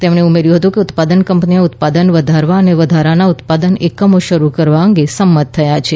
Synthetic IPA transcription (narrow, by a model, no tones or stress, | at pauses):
t̪emɳeumeɾjuɦət̪ũkeʊt̪pad̪ənkəmpnieʊt̪̚pad̪ənʋəd̪ʱaɾʋaəneʋəd̪ʱaɾanaʊt̪pad̪ənekəmoʃəɾukəɾʋaəŋɡesəmːət̪ʰːəjat͡ʃʰe